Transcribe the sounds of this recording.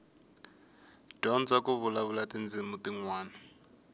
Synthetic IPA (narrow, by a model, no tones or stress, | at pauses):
d̥ɔnd͡zakuβulaβulatind͡zimutiŋwaːna